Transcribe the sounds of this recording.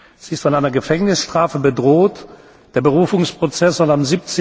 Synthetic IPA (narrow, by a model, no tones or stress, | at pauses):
z̥iɪstfɔnʔaɪnɐɡəfɛŋnɪsʃtʁ̥aːfəbədʁoːt | d̥eːɐbəʁuːfʊŋspʁ̥ot͡sɛsɔnamzip̚t͡se